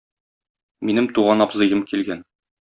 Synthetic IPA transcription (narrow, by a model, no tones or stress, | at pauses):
minɘmt̪uʁɑnɒbzɤ̆jɤmkilɡæn